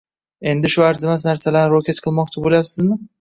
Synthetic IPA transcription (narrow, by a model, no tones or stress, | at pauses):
e̞nd̪ɪʃʊaɾzɪmasnaɾsalaɾnɪɾokʲet̪qʰɨlˠmɒq̚t͡ʃʰɪboljapsɪzmɪ